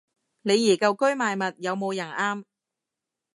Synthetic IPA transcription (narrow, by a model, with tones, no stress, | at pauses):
ne˨˧jiː˨˩kɐ˧wkɵ˥jmaː˨˧jmɐ˨t̚jɐ˨˧wmo˨˧wjɐ˨˩nʔaː˥m